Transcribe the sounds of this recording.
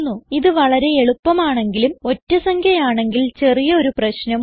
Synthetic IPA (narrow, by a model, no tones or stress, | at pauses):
nːuiðɨʋɐɭɐɾe̞eɭupːɐmaːɳe̞ŋɡilumo̞tːɐsɐŋkʰjɐjaːɳe̞ŋɡilt͡ɕe̞rijɐo̞ɾuprɐɕnɐm